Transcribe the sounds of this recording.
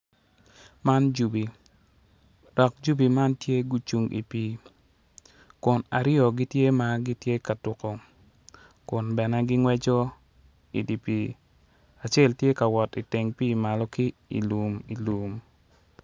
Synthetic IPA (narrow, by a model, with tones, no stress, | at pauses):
ma˦nd͡ʒu˨bi˨ | d̥ɔ˨k̚d͡ʒu˦bi˨ma˦ntje˦ɡu˦t͡ʃu˨ŋɡḭ˨pi˦ | kʊ˨na˨ɾɪɔ˨ɡi˦tje˦ma˦ɡi˦tje˦ka˨tʊ˨kɔ˨ | kʊ˨nbɛ˨nɛ˦ɡɪ˦ŋwɛ˦d͡ʒɔ˦ | ḭ˨di˨pi˨ | a˨t͡ʃɛ˦ltje˦ka˨wɔ˨ti˨te˨ŋpi˦˨ma˨lɔ˦ki˦ḭ˨lu˨mi˨lu˨m